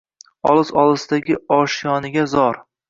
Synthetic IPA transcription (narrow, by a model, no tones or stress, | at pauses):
ɒ̰lˠɪzɒlˠɨsɪd̪aɡʲɪɒʃjɒnɪɡʲazɒɾ